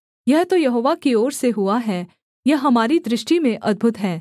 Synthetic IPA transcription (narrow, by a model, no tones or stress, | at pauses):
jɛɦt̪ojɐɦoːʋakioːɾseɦʊaɦɛː | jɐɦɦɐmaːɾid̪ɾɪʃʈimẽʔɐd̪̚bʱʊt̪ɦɛː